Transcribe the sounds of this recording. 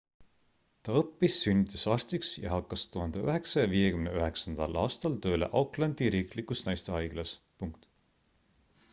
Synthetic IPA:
t̪ɑɤpːisːynʲːit̪ːˑusɑːrst̪iksjɑ̰ɦɑkːɑst̪uɦɑnd̪eøɦe̞ksɑjɑviːje̞kymneøɦe̞ksɑnd̪̥ɑlɑːst̪ɑlt̪ø̞ːle̞̰ʔɑwklɑnd̪iɾiːklikusnɑjst̪e̞ɑjɡ̥lɑs | puŋkt̪

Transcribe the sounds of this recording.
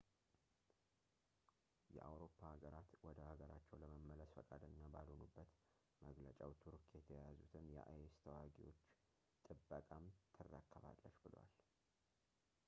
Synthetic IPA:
jɛ̰ʔawɾo̞pʰːahaɡəɾat̪wɔd̪əhaɡəɾat͡ʃːɛwləməmːələsfəkʼad̪əɲːabalonubːət̪ | məɡlət͡ʃʼawt̪ʰuɾkjɛt̪ʰəjazut̪ʰɨnjɛ̰ʔa̰jest̪ʰəwaɡiwo̞t͡ʃː | t̪ʼɨbːəkʼamt̪ʰɨrːə̰kʰːəβa̰lːəʃbɨlwa̰l

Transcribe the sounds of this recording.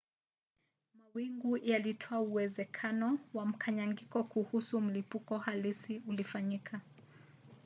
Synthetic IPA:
mawiŋɡujalitʰɔauwɛzɛkʰanɔwam̩kʰaɲaŋɡikɔkuhusum̩lipukɔhalisiulifaɲikʰa

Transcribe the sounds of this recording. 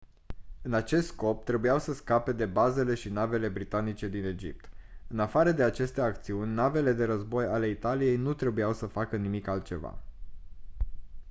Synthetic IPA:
ɨnat͡ʃe̞st̪sko̞p̚t̪ɾe̞bujawsəskape̞d̪e̞baze̞le̞ʃinave̞le̞bɾit̪anit͡ʃe̞d̪ine̞d͡ʒḭp̚t̪ɨnafaɾəd̪e̞at͡ʃe̞st̪e̞akt̪siunʲnave̞le̞d̪e̞ɾəzbo̞jale̞it̪alije̞jnut̪ɾe̞bujawsəfakənimikalt̪̚t͡ʃe̞va̰

